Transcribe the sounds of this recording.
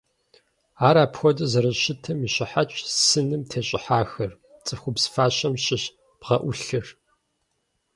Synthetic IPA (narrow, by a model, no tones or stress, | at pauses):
aːɾaːpxʷɔdɐzɐɾɐɕɪtʰɐmiɕʼɪħat͡ʃʼsɨnɨmtʰeːɕʼɪ̰ħaːxɐr | t͡sʼɨxʷʊbsfaːɕɐmɕʼɪɕ | b̥ʁɐʔʷʊɬɨr